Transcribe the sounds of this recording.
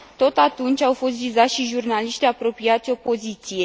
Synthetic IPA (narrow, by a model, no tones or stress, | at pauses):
t̪o̞t̪at̪unt͡ʃʲawfo̞st̪vizat̪ʃiʒurnaliʃt̪iapɾo̞piat̪sʲo̞po̞zit̪sije̞